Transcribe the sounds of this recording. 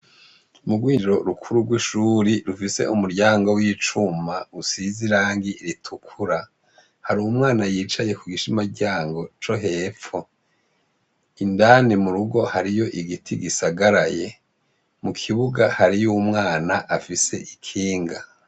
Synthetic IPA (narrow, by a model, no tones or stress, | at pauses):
muɡwiːnd͡ʒiɾo̞ɾukʰuɾuɾɡwiʃuɾiɾufise̞̰ʔumuɾɟaːŋɡo̞wit͡ʃumausiziɾaːŋɡiɾitʰukʰuɾa | haɾuumŋaːnajiːt͡ʃaje̞kuɡiʃimaɟaːŋɡo̞t͡ʃo̞ɦe̞ːp͡ffo | indaːnimuɾuɡo̞haɾijo̞ʔiɡitʰiɡisaɡaɾaje̞ | mukʰiβuɡahaɾijumŋaːnaʔafise̞ʔikʰiːŋɡa